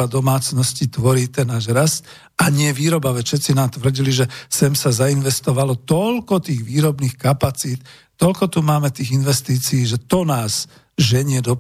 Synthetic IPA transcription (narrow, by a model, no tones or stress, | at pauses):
ad̪ɔmaːt͡snɔscit̪ʋɔɾiːt̪ɛnːaːʒɾast̪ | aɲɪɛʋiːɾɔbaʋɛʃɛt̪t͡sinaːmt̪ʋr̩ɟiliʒɛsɛmsazainʋɛst̪ɔʋalɔt̪ɔʎkɔt̪iːɣʋiːɾɔbniːxkapat͡siːt̪ | t̪ɔlkɔt̪umaːmɛt̪iːɣinʋɛst̪iːt͡siiːʒɛt̪ɔnaːz | ʒɛɲɪɛd̪ɔ